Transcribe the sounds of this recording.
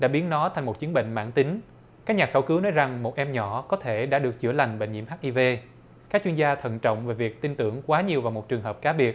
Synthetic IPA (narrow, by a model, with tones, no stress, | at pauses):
ɗa̰ː˧˥ɓi˨˦ənnɔ˨˦t̪ʰa˨˩ŋmo˨˩t̚t͡ɕɨ˨˦ənɓḭ˧˨ŋ̟ma̰ː˧˥ŋt̪i˨˦ŋ̟ | kaː˦˥k̚ɲaː˨˩xə˧˩wkɨ˨˦wnɔ˨˦jza˨˩ŋmo˨˩t̚ʔɛ˧mɲɔ˧˩˨kɔ˨˦t̪ʰe˧˩ɗa̰ː˧˥ɗɨ˨˩ək̚t͡ɕɨ̰˧˩əla˨˩jŋ̟ɓḛ˧˨ŋɲḭ˧˩mɦaː˦˥k̚ʔi˧ve˧ | kaː˦˥k̚t͡ɕwi˧ənzaː˧t̪ʰə̰˧˨nt͡ɕə̰˧˨wŋ͡mve˨˩vi˨˩ək̚t̪i˧nt̪ɨ̰˧˩əŋkwaː˨˦ɲi˨˩əwvaː˨˩wmo˨˩t̚t͡ɕɨ˨˩əŋɦəː˨˩p̚kaː˨˦ɓi˨˩ət̚